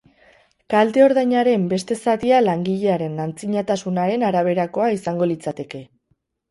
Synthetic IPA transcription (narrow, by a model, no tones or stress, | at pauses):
kald̪e̞o̞ɾðajɲaɾe̞mbe̞st̪e̞sat̪ialaŋɡiʎe̞aɾe̞nːant͡siɲat̪asunaɾe̞naɾaβ̞e̞ɾako̞aisaŋɡo̞lit͡sat̪e̞ke̞